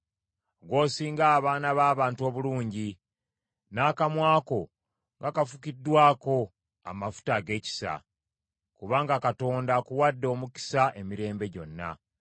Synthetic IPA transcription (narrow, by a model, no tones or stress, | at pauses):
ɡwo̞ːsiːŋɡaːβaːnaβaːβaːntuo̞ːβuluːɲɟi | naːkamwaːko̞ | ŋɡakafukidːwaːko̞ | a̰mafu̥taɡe̞ːci̥sa̰ | kuβaːŋɡakato̞ːndakuwadːo̞ːmuki̥saʔe̞miɾe̞ːmbe̞ɟo̞̰nːa̰